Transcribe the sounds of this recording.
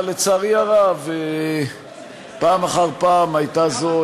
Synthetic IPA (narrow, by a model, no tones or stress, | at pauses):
let͡saʁiaʁave | paːmaχaʁpaːmajt̪azo